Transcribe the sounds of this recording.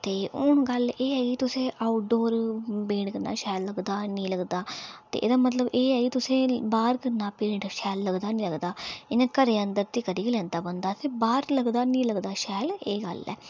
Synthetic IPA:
t̪eːʊɳɡəleːɛːɡit̪ʊsẽːʔaːʊʈ̚ɖoːɾbẽːɳkəna̰ːʃɛːlːəɡd̪aːnĩːləɡd̪aːt̪ḛːʔḛːd̪aːmət̪ləbeːɛːɡiːt̪ʊsẽːbaːɾkənaːpeːɾə̃ɳʈʃɛːlːəɡd̪aːnĩːləɡd̪aːɪnẽːkəɾeːənd̪əɾt̪iːkəɾiːklɛ̃ːnd̪aːbənd̪aːt̪ebaːɾləɡd̪aːnĩːləɡd̪aːʃɛːleːɡə̰lɛ̰ː

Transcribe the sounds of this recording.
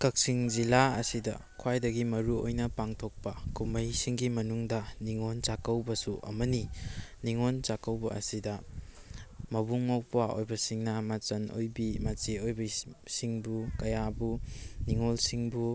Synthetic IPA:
kɐk̚siŋzilaɐsidɐ̰ | kʰwajdɐɡimɐɾuo̰jnɐpaŋtʰok̚pɐkumɐjsiŋɡimɐnuŋdɐniŋont͡ʃakɐwbɐsuʔɐ̰mɐniniŋont͡ʃakɐwbɐɐ̰sidɐ | mɐbuŋmawpwao̰jbɐsiŋnɐmat͡ʃɐno̰jbimɐt͡ʃiojbɐsiŋbukɐjabuniŋolsiŋbu

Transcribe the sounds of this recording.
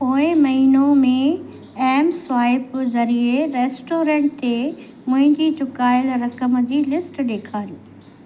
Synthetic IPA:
poːɪ̃mɐɦiːnomẽ | ɛːmsʋaːɪpzɐɾieɾeːsʈoːɾẽːʈ̚t̪e | mʊ̃ɦɪ̃ɲd͡ʑit͡ɕʊkaːɪlɾɐkəmd͡ʑiːlɪsʈɗeːkʰaːɾiː

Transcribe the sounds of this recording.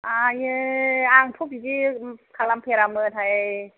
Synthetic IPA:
ʔajeaŋtʰup̚ikikʰalampʰeɾamɯtʰhaj

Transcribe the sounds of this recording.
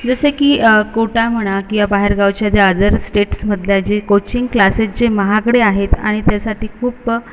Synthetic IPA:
d͡zəsekiːkoʈam̤əɽ̃akiʋabaɦeɾɡawt͡ɕjad̪jəd̪əɾsʈeʈsməd̪ʱljad͡ʑekot͡ɕiŋɡklaset͡sd͡ʑeməɦakəɽeaɦet̪a̰ɽ̃it̪jasaʈiːkʰuːp

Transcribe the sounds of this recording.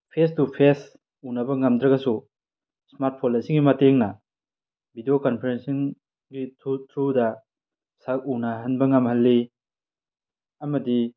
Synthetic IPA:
pʰestupʰes | unɐbɐŋɐmdɾɐɡɐsu | smaɾt̚pʰonɐsiŋɡimɐteŋnɐ | bʱidijokɐnpʰeɾensiŋ | ɡitʰutʰɾudɐ | sak̚unɐɦɐnbɐŋɐmhɐlːi | ɐmɐdi

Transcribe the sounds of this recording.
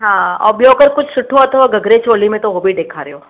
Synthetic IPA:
ɦãːɔ̰ːbjoːkəɾkʊt͡ʃʰsʊʈʰːoɐt̪ʰəʋaɡɐɡɾet͡ʃoːlimẽt̪oʋobʱiɖeːkʰaɾɐɦoː

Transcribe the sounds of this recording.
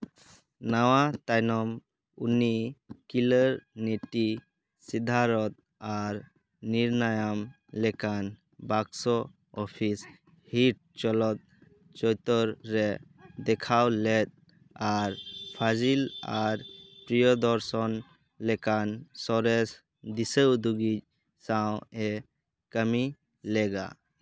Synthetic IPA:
nawat̪ajnɔm | unikilɔɾniʈi | sid̪ʱaɾɔt̪̚ | aɾ | niɾnajam | lɛkan | baɡsɔ | ɔpʰis | hiʈ̚t͡ʃɔlɔt̪̚ | t͡ʃɔjt̪ɔɾɾɛ | d̪ɛkʰawlɛt̪̚ | aɾpʰad͡ʒilaɾpɾijɔd̪ɔɾsɔn | lɛkansɔɾɛs | d̪isəd̪uɡit͡ʃ̚ | saw̃ɛ | kəmi | lɛɡa̰

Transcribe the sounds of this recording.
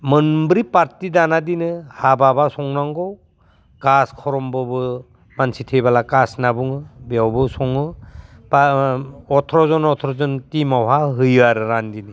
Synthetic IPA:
mɯnbɾipaɾtidanadinɯhababasɔŋnaŋɡɔw | kaskʰɔɾɔmbɯbɯ | mansitʰebalakasnabuŋɯbijawbɯsɔŋɯpaɔtʰɾɔzɔnɔtʰɾɔzɔntimawɦaɦɯjaɾɯɾandinɯ

